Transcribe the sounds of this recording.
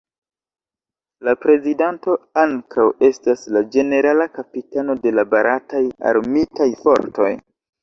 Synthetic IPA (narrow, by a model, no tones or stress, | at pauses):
lapɾe̞zidanto̞aŋkʰawe̞staslad͡ʒe̞ne̞ɾalakapitano̞de̞labaɾataja̰ɾmitajfo̞̰ɾto̞̰j